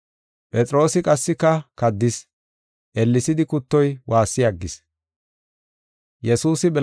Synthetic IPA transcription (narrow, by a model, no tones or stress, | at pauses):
pʼɛt͡sʼɾo̞ːsɪkʼɐsːɪkːɐkɐd̪ːɪs | ʔɛlːɪsɪd̪ɪkʊt̪ːɔjwʔaːsːɪjɐɡːɪs | jɛsuːsɪbɛ